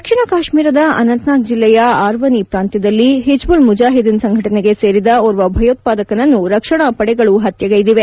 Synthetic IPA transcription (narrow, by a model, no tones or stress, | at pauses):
ɐkʂɐɳɐkaːʃmiːɾɐd̪ɐɐ̰nɐnt̪naːk̚d͡ʒilːɛjɐaːɾʋɐnipɾaːnt̪jɐd̪ɐlːiɦid͡ʒbulmud͡ʒaːɦid̪inɐsɐŋɡʱɐʈɐneɡe̞se̞ːɾid̪ɐɔɾʋɐbʱɐjoːt̪̚paːd̪ɐkɐnɐnːuɾɐkʂɐɳɐpɐɽɛɡɐɭuɦɐt̪jɐɡɐjid̪iʋe̞